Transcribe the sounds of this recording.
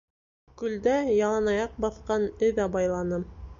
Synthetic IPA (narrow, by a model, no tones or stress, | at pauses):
kɵ̆ld̪æjɑlˠɑnɑjɑq̚bɑθqɑnɘðæbɑjlˠɑnɤm